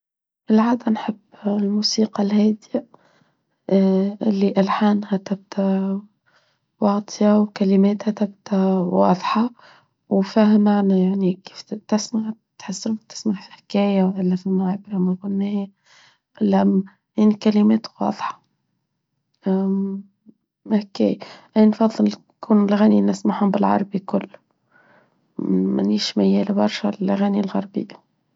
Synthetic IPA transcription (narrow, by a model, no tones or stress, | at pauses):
ʔɪlʕaːd̪anħɪbːlmuːsiːqɑlhɛːd̪ɪja | ɪlːiʔalħaːnhat̪ab̚d̪a | wɑʕt̪ˤjawkalɪmɛːt̪hat̪ab̚d̪awɑ̰ːðˤħɑ | wfæːɦɪmaʕnajaʕniki̥ːft̪ɪsmaʕ | t̪ħɪsːk̚t̪ɪ̥smaʕfi̥ħɪ̥kæːjawʔalːafinaʕɪbɾɑmɪɣʊnːa | lːæm | ʔinikælɪmɛːt̪wɑ̰ːðˤħɑ̥ | hkɛ̰jʔænfɑðˤːɨl | kʰuːnlɣæːninɪsmaħʊmbɪlʕɑ̰ɾˤbikʊlː | mæ̰niʃmæjːɛːlabɑɾˤʃalɪlaɣæːnilɣɑɾˤbə̰jːa